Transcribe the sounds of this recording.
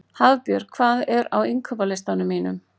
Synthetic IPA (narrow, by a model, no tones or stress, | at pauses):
havpjœɾ̥kʰvaːðɛɾawiŋkʰœpalɛst̪anʏmːiːnʏ̰m